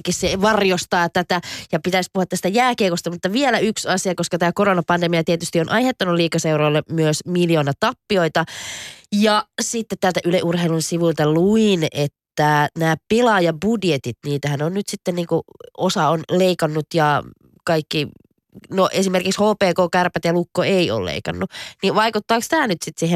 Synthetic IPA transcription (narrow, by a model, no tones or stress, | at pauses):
kisseʋɑrjost̪ɑːt̪ːæt̪æjɑpit̪æispuhuɑt̪ːæst̪æjæːkeːkost̪ɑmut̪ːɑʋielæyksɑsiɑkoskɑt̪æːkoronɑpɑndemiɑt̪iet̪yst̪ionʔɑjhet̪ːɑnuliːkɑsewɾoːlːemyøsmiljoːnɑt̪ɑpːioit̪ɑ | jɑsit̪ːet̪t̪ælt̪æʔyleʔurɦeilunsiʋult̪ɑluinet̪ːænæːpilɑːjɑbudjet̪it̪niːt̪æhænonnyt̪sit̪ːenniːŋkuosɑonleikɑnːut̪jɑ | kɑikːi | noʔesimerkikshoːpeːkoːkærpæt̪jɑlukːoeio̰llḛikɑ̰nːuniʋɑikut̪ːɑːkst̪æːnyt̪sit̪siːhe